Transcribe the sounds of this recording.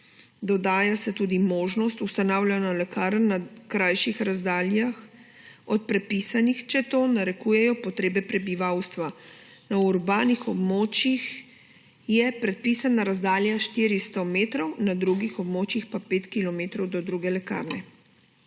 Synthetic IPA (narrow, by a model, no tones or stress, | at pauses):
d̪ɔd̪aːjasɛt̪uːd̪imoːʒnɔst̪ust̪anawlʲanalɛkaːɾənːakɾajʃixɾazd̪aːljax | ɔt̪̚pɾɛt̪̚pisanixt͡ʃɛt̪onaɾɛkuːjɛjɔpɔt̪ɾeːbɛpɾɛbiʋawst̪ʋanauɾbaːnixɔbmoːt͡ʃjix | jɛpɾɛt̪̚piːsanaɾazd̪aːljaʃt̪iɾist̪ɔmeːt̪ɾɔwnad̪ɾuːɡixɔbmoːt͡ʃixpapeːt̪kilɔmeːt̪ɾɔwd̪ɔd̪ɾuɡɛlɛka̰ɾnɛ